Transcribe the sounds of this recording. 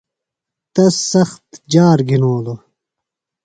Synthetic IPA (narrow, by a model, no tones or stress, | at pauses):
t̪ɐsɐxt̪d͡ʑaːɾɡinoːlo